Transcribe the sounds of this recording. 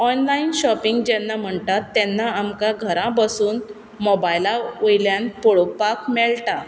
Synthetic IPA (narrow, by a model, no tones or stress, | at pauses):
ɔnlainɕɔpiŋɡd͡ʑɛnːam̤əɳt̪at̪ːɛnːaamkãɡʱəɾãbəsuːn | mɔbajlaojljãnpɔɭok̚pakmɛɭʈa